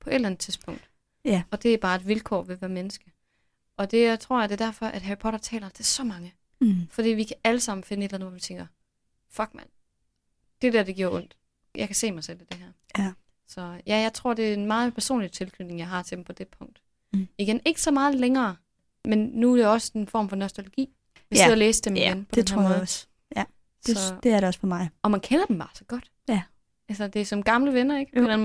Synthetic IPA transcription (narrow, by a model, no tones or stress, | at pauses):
pʰɒ̽ʔe̝d̥lænð̩ˠt͡sʰiðˠsb̥ʰɔ̽ŋ̰d̥ | ɒ̽d̥e̝æɐb̥ɑ̈ːe̝d̥ʋilkʰɒ̰ːʋe̝ʋæːɐmenəsɡ̥ə | ʔɒ̽d̥e̝t͡sʰʁo̝ɐ̰jɑ̈d̥e̝ɐdæɐ̰fɒ̽ʔæd̥ɦæɐipʰɒ̽ɾɐt͡sʰɛ̰ːlɐmt͡sʰe̝ɐsɒ̽mɑ̈ŋə | fɒ̽d̥ḭːʋikʰææləsɑ̈m̰n̩fe̝nəe̝dlæn̩ʋɑʋit͡sʰeŋ̰ɡ̥ɐ | fɒɡ̥mæn | d̥e̝d̥æɐ̰d̥eɡ̥iɐ̰ɔ̽n̰d̥ | jɑ̈ɪkʰæse̝̰ːmɑ̈ɪsel̰id̥e̝ɦæɐ̰ | sɒ̽jæjɑ̈ɪt͡sʰʁo̝ɐ̰d̥e̝æɐenmɑ̈ːð̩ˠpʰæɐso̝̰ːnlit͡sʰe̝lkʰyne̝ŋjɑ̈ɪɦɑ̈t͡sʰe̝̥m̩pʰɒ̽d̥e̝pʰɔ̽ŋ̰d̥ | iɡ̥ene̝ɡ̥əsɒ̽mɑ̈ːð̞̩ˠleŋɐː | menːuæɾ̥e̝ɒ̽sə̥enfɒ̰ːmfɒ̽nɒsd̥olo̝ɡ̥ḭː | ʋseðˠɒleːsəd̥emienpʰɒ̥deenhæ̰ɐmɔ̽ːð̩ˠ | sɒ̽d̥eæɐɾeɒsfɒmɑ̈ɪɒ̽mænkʰenɐd̥em̩b̥ɑ̈ːsɒ̽ɡ̥ɒ̽d̥ | ælsɐd̥e̝æɐsɒ̽mɡ̥ɑ̈mləʋenɐeɡ̥pʰɒdenm